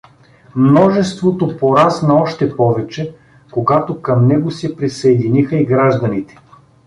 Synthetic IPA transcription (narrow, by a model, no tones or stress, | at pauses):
mnɔʒɛst̪vot̪opoɾasnɐɔʃt̪ɛpɔvɛt͡ʃɛ | koɡat̪okɐmnɛɡosɛpɾisɐɛd̪inixɐiɡɾaʒd̪ɐnit̪ɛ̥